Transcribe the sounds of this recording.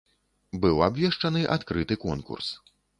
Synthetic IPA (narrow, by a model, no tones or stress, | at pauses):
bɨwabʲvʲɛʂt͡ʂɐnɨʔa̰t̪kɾɨt̪ɨkɔ̰nkṵrs